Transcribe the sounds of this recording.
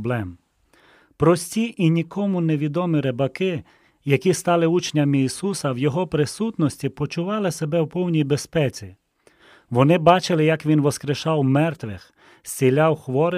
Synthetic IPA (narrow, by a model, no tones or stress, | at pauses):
blˠɛm | pɾɔsʲtʲiʔinʲikʰɔmʊneʋʲid̪ɔmɪɾebɐkɪ | jɐkʲist̪ɑlˠɪut͡ʃnʲɐmiːsusɐwjɔɦɔpɾɪsut̪nɔsʲtʲipɔt͡ʃʊʋɑlˠɪsebɛwpɔwnʲijbespɛt͡sʲi | ʋɔnɪbɑt͡ʃɪlˠɪjɐkʋʲinʋɔskɾeʃɑwmɛrt̪ʋɪx | sʲt͡sʲilʲɑwxʋɔɾɪ